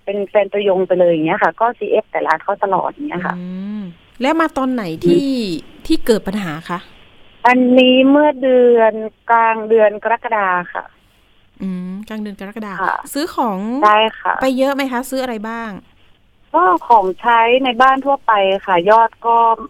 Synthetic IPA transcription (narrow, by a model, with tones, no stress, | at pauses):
pe˧nfɛː˧nt̪ɾa˧jo˧ŋpa˧jlɤː˧jŋːi˦˥ɐ˨kʰa˧˩kɔː˥˩si˧˩ʔe˦˥p̚t̪ɛː˨˩la̰ː˨˦t̪̚kʰa˧˥˩wt̪a˧lɔ̰ː˨˩t̪̚a˨˩ŋːi˦˥ɐkʰa̰˧˩ | lɛ˦˥wmaː˧t̪ɔː˧nːa˩˦jt̪ʰiː˦˧˥t̪ʰiː˥˩kɤː˨˩t̪̚pa˧nɦaː˩˦kʰa˦˥˩ʔ | ʔa˧nːiː˦˥mɯ˥˩ədɯ˧ənklaː˧ŋdɯ˧ənka˧ɾa˦˥˩kːa˧daː˧xa̰˧˩ | ʔɯː˧˩mkaː˧ŋdɯ˧ənka˧ɾa˦˥˩kːa˧daː˧a̰˧˩sɯː˦˥kʰɔː˩˦ŋda˥˩jkʰa̰˧˩pa˧jːɤ˦˥ʔma˦˥jkʰa˦˥sɯː˦˥ʔa˧ɾa˧jbaː˥˩ŋ | ʔɔː˧˥˩kʰɔː˩˦ŋt͡ɕʰa˦˥jna˧jbaː˥˩nt̪ʰu˥˩ɐpa˧jxa˧˥˩jɔː˥˩t̪̚kɔː˥˩